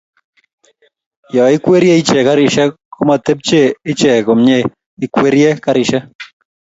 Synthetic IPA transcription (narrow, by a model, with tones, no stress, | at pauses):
jɔ˨ɪ˦kwe˦ɾjɛ˦i˦t͡ʃɛ˨ka˦ɾɪ˨ʃɛ˦kʰo˦ma˨t̪e˦p̚t͡ʃe˦˨ɪ˦t͡ʃɛ˨ko˨mɲe˦ | ɪ˨kwe˦ɾjɛ˦ka˦ɾɪ˨ʃɛ˦